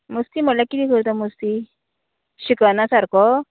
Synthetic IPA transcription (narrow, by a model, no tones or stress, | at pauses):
məst̪iməlakit̪ikəɾt̪amust̪i | ɕikanasaɾkɔ